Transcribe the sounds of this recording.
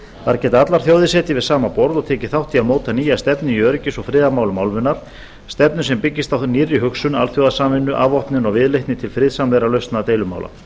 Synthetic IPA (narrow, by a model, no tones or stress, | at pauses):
θaɾcɛːt̪aat̪laɾ̥θjowðɪsɛːt̪ɪvɪðsaːmapɔɾðɔɣt̪ʰɛːcɪ̥θawht̪ʰiamoːwt̪ʰaniːjast̪ɛpnɪiœɾɪcɪsɔfɾɪːðamaːwlʏmaːwlvɪnːaɾ̥ | st̪ɛpnʏsɛmpɪcːɪst̪awθniːrːɪɦʏksʏnalθjowðasaːmvɪnːʏʔavɔhpnɪnɔɣvɪðlejht̪nɪt̪ʰɪlfɾɪːðsamlɛːɾalœɥst̪nat̪eːjlʏma̰wla̰